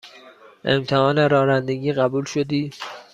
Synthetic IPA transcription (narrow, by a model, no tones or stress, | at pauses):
ʔe̞̰mt̪ʰehɒːneɾɒːnænd̪e̞ɟiːɢæbuːlʃo̞d̪iː